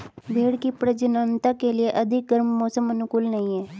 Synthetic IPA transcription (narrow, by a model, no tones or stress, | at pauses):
bʱeːɽkipɾəd͡ʒənaːnt̪akelieʔəd̪ʱɪk̚ɡəɾmːɔːsəmənʊkuːlnɐɦĩɛː